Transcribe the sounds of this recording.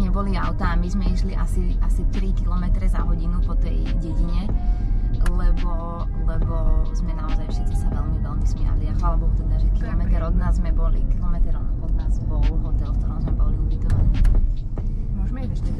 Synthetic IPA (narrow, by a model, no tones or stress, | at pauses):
ɲɛbɔliaʊt̪aːmizmɛiʃliʔasiasit̪ɾikilɔmɛt̪ɾɛzaɦɔɟinupɔt̪ɛjɟɛɟiɲɛ | lɛbɔ | lɛbɔzmɛnaɔzajfʃɛt͡sisaʋɛlmiʋɛlmizmɪa̰liaxalabɔlt̪ɛd̪aːʒɛkilɔmɛt̪ɛɾɔd̪naːzmɛbɔlḭkilɔmɛt̪ɛɾɔmɔd̪naːzbɔlɦɔt̪ɛlfk̚t̪ɔɾɔmzmɛbɔliubit̪ɔʋaniː | mɔʒmɛɛʃ